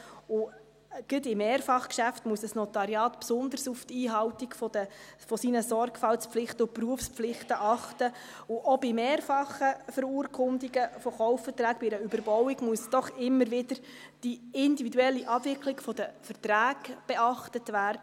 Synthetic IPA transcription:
ʊ | ɡ̥ətɪmeːɾfɑχkʃæftmuəsəsnɔt̪ɑɾjɑːt̪psʊnd̪ərsuftiːɦɑwtiɡfɔdəfɔsinəsɔrɡfɑlspflɪχtəʊpruəfspflɪχtəʔɑχtə | ʊʔɔbimeːɾfɑχəfəɾuːɾkʰʊndiɡəfɔχɔʊffətræːkbiɾəybəɾbɔwiɡmuəsd̥̪ɔχɪmːəɾʋɪdəɾd̥iɪndividuɛlːiʔɑbvɪklɪɡfɔd̥əfərtɾæːɡb̥ɛɑχtətʋæːrdə

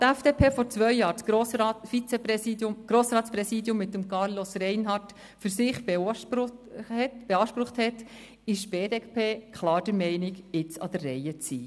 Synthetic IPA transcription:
t̪æfd̥epʰeːfɔɾt͡sʋœʏjɑːɾtosɑfit͡sɛpɾɛsidʊmɡ̥ɾoːsɾɑːtspɾɛsiːdjʊmːɪtːəmkɑɾlosɾɛɪnɦɑt | fyɾsɪχb | ɛtb̥eɑːʃpɾʊχthɛt | ɪʃb̥eːdepʰeːkχlɑːɾd̥əɾmɛɪnɪɡɪt͡sɑ̰d̥ərːɛjət͡sḭː

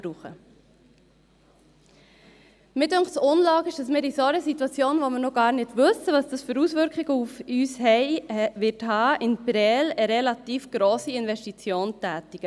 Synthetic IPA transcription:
bɾuːχə̰ | mɪdøŋktsʊnlɑːɡɪʃd̥ɑsmɪːɾisoɾəsitwɑt͡sjoːnʋomɪːɾnoɡɑːɾnɪd̥vɵsəʋɑsd̥ɑsfəɾuːsvʏɾkχɪɡəufyːshɛɪʋɪthɑːʔɪnpɾɛːləɾɛlɑtiːfɡ̥ɾoːsiɪnvɛʃtit͡sjoːntæːtiɡ̥ə

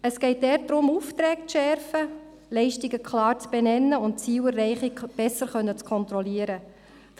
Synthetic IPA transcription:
əsɡ̥ɛɪt̚dɛːrt̚dɾʊmuft̪ɾɛːk̚t͡sʃɛɾfə | lɛɪʃtiɡəkʰlɑːɾt͡sb̥ɛnɛnːəʊnt̚t͡siːwərːɛɪχikb̥ɛsəɾχœnːət͡skʰɔnt̪ɾɔliəɾə

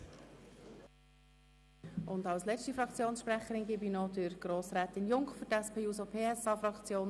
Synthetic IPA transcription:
ʊndɑlslɛt͡ʃtifɾɑkt͡sjoːnsʃpɾɛχəɾɪnɡɪbinɔdɪɾɡ̥ɾoːsɾɛːt̪ɪnjʊŋkχføtɛspeːuːsopʰeːɛsɑːfɾɑkt͡sjoːn

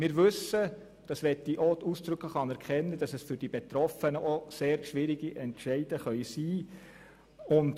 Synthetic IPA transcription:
mɪːɾʋɵsə | d̥ɑsʋɛtːiʔotusd̥ɾɵkəχɑnɛɾkχɛnːəd̥ɑsɛsfʏɾd̥ib̥et̪ɾɔfənəʔoseːɾʃʋɪɾiɡ̥iʔɛntʃɛɪd̥əχœʏsiː | ʊnt

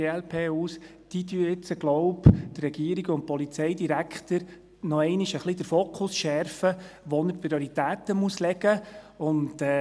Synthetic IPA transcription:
eːɛlpʰeːuːs | d̥id̪yəɪt͡səɡ̥lɔʊpd̥̪rɛɡ̥iəɾiɡəʊnt̚pɔlit͡sɛɪdiɾækχt̪əɾ | nɔɛɪniʃəχlid̥əɾfoːkʰʊsʃɛɾfəʋɔnəɾpɾiɔɾitæːt̪əmuəslɛɡ̥ə | ʊntɛ

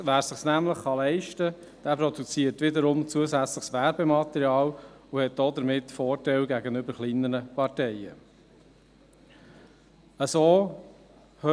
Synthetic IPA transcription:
ʋæːɾsɪχsnæmləχːɑlɛɪʃtə | d̥æːpɾɔd̪ut͡siːəɾtʋɪdəɾʊmt͡suəsæt͡sləχsʋæɾbɛmɑt̪ɛɾjɑːluhɛt̚d̥ɔd̪əɾmɪtːfɔːɾtɛlɡæɡənʏbəɾχliːnːəɾəpɑɾtɛɪə̰ | əsoː | hø

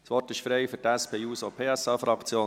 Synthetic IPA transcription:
sʋɔrtɪʃfɾɛɪfʏɾtæspʰeːuːsopʰeːæsɑfɾɑkʰt͡sjoː

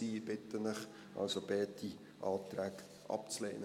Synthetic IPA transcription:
iːɪb̥ɪt̪ːənəχ | ʔɑ̰lsobɛːt̪ʰi | ʔɑːt̪ɾæːk | ʔɑ̰pt͡slɛ̰ːn

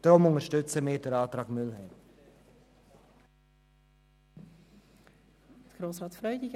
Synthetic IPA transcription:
d̥ɾʊmʊŋəʃtʏt͡səmɪːdɛɾɑːt̪ɾɑːɡmʏlhɛɪm | əɡ̥ɾoːsʁɑːtfɾœʏdɪɡ

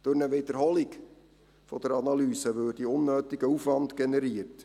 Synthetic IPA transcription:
d̪̥ʊɾnəʋɪd̪əɾɦɔlɪk | fɔd̥̪əɾɑnɑlyːsəʋøːdiʊnːøːt̪ɪɡəufʋɑntɡɛnɛɾiːəɾt

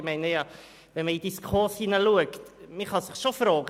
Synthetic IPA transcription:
mɛjneja | vɛnməidiskʰɔrshinəluəktmiχɔsəχʃofroːɡ

